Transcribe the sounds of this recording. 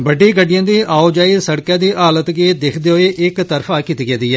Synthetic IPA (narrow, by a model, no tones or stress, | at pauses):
bəɖːiːɡəɖɪjãːd̪iːʔaːoːd͡ʒaːisəɽkãːd̪iːʔaːlət̪ɡeːd̪ekʰd̪eːɦoeːʔɪkt̪əɾfʰaːkɪt̪iːɡɛːd̪iːɛː